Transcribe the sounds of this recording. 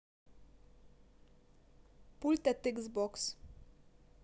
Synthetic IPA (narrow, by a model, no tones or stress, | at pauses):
pult̪ɛt̪ɪɡzbɔks